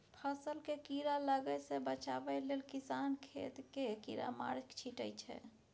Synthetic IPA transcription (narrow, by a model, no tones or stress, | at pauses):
pʰəsəlkekiɾaləɡɛsebət͡ʃabɛlelkisankʰḛt̪kekḭɾa̰ma̰ɾkt͡ʃʰiʈə̰jt͡ʃʰɛ̰